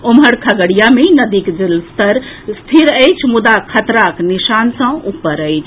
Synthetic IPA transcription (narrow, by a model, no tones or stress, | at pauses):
omɦəɽkʰəɡəɽijamenəd̪ikd͡ʒilst̪əɾst̪ʰiɾəjt͡ʃʰmud̪akʰət̪ɾakniʃansə̃upːəɾəjt͡ʃʰ